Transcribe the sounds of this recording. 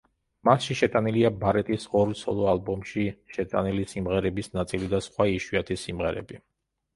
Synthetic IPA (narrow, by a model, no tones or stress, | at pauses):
masʃiʃɛt̪ʼaniliabaɾɛt̪ʼisɔɾt̪sʰɔ̰lˠɔalˠbɔmʃiʃɛt̪ʼa̰nilisimʁɛɾɛbisnat̪sʼilid̪asχwaiʃwiat̪ʰisimʁɛɾɛ̰bi